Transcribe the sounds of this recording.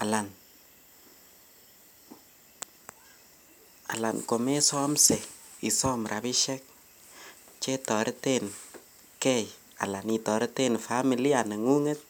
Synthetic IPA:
a˨la˨n | a̰˨la̰˨nko˨me˦sɔ˦mse˨i˨sɔ˦mɾʔa˨bi˦ʃɛ˦k̚ | t͡ʃe˦tɔ˨ɾten | kɛ˦j | a̰˨la˨ni˨tɔ˨ɾte˦nfa˦mi˨li˦a˨nə˨ŋu˦ŋe˦t̪̚

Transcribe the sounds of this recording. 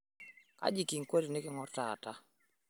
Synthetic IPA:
ka̰˦d͡ʒi˨ki˨ŋ̩˨ko˦te˨ne˦kɪ˦ŋɔ˦rta˨ta˦

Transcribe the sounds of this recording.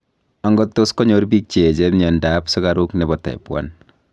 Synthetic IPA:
a˨ŋɡɔtːo˦skɔ˦ɲoɾbi˦k̚t͡ʃe˨d͡ʒɛ˦mɲa˨ndapsɔ˦ka˦ɾu˦knɛbɔ˨ta̰˨ipwa̰n

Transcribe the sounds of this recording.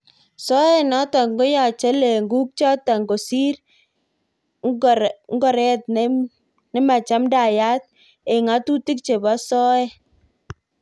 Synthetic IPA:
sɔ˦ɛ˦˨nɔ˦ta˨ŋɡo˦ja˨t͡ʃe˦le˨ŋɡu˦k̚t͡ʃɔ˦ta˨ŋɡo˨si˦ɾ | ŋŋ˦ɡɔ˨ɾɛ˦t̚n˦ | nɛ˦ma˨t͡ʃa˦mda˨ja˦t̚ | e˨ŋa˨˦tu˦ti˦k̚t͡ʃe˨ba˦sɔ˦ɛ˦

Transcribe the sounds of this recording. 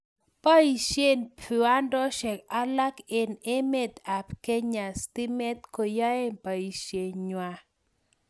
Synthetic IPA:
pa˦i˨ʃje˦npu˨a˦ndɔ˦ʃɛ˨ka˦la˦ke˨ne˦me˦˨t̪a˨pke˦ɲa˨st̪i˦mɛ˦t̪̚ko˨ja˦e˦mpa˨i˨ʃje˨ɲwa˦

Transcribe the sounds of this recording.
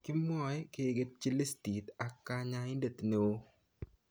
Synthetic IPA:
ki˦mɔ˨ɛ˦ke˨ɡe˦t̪̚t͡ʃi˦le˦sti˨t̪a˨kːa˦ɲa˦ɪ˦nde˨t̪ne˨wo˦

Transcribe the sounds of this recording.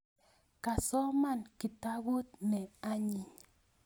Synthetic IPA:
ka˨sɔ˦ma˦˨nki˨ta˦ɣu˦t̪̚nɛ˨a˦ɲi˨ɲ

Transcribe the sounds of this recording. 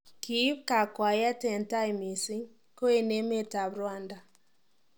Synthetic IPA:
ki˦pka˨kwa˨ja˦tɛ˨nta˦jmi˨si˦ŋ | ko˦e˦˨ne˦me˦ta˨bɾwa˦nda˨

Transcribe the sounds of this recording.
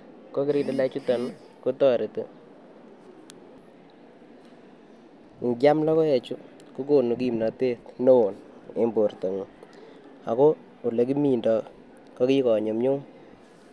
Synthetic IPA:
ko˦ki˦ɾi˦de˨la˦t͡ʃu˦tɔ˨n | ko˦tɔ˦ɾe˨tu˦ | ŋɡja˦mlɔ˦kɔ˦ɛ˨t͡ʃu˦ | ku˦ko˦˨nu˨k̬i˦˨mna˨te˦tno˦o˨ne˦mbo˨rto˨ŋ˨ | a̰˨ko˦ | u˨le˨k̬i˦mi˦˨ndɔ˨ | kɔ˦ki˦kɔ˨ɲo˨mɲu˦ŋ

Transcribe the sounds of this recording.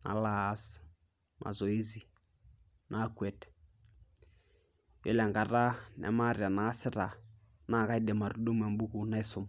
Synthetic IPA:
na̰˨la˦s | ma̰˨zɔ˨e˦zi˨ | nʔa˦kwɛ˨tɛ̥ | jḛ˦lɛ˨ŋɡa˨ra˦nʔa̰˨˦ma˦˨ɾɪ˨a˨naː˨˦sɪ˦ra˨ | na˦˨ka˦i˦ɗe˨ma˨ɾu˨ɗo˦mwa˨mbu˦ku˨na˦i˦sʊ˦m˨

